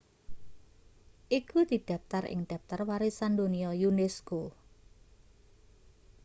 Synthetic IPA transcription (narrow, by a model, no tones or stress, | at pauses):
ʔikud̪̥i̤ɖ̪̥a̤p̚t̪arɪ̰ŋɖ̪̥a̤p̚t̪arwaɾesand̪oniɔjunɛsko